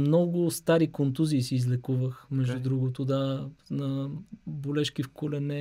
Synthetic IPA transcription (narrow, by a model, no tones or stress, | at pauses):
mnɔɡʊst̪aɾikont̪uziːsiːzlɛkuvəxmɛʒd̪ud̪ɾuɡot̪od̪anɐbolɛʃkifkolɛnɛ